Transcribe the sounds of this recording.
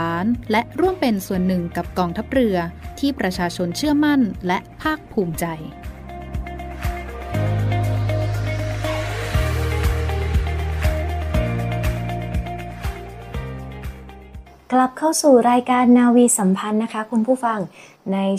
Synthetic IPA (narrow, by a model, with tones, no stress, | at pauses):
aː˩˦nlɛ˦˥ʔɾu˥˩əmpe˧nsu˨˩ənːɯ˨˩ŋka˨˩p̚kɔː˧ŋt̪ʰa˦˥p̚ɾɯ˧ɐt̪ʰiː˥˩pɾa˧t͡ɕʰaː˧t͡ɕʰo˧nt͡ɕʰɯ˥˩ɐma˥˩nlɛ˦˥ʔpʰaː˥˩k̚pʰuː˧˩mt͡ɕa˧j | kla˨˩p̚kʰa˥˩wsuː˨˩ɾaː˧jkaː˧nːaː˧wiː˧sa˩˦mpʰa˧nːa˦˥kʰa˦˥kʰu˧npʰuː˥˩fa˧ŋ | na˧j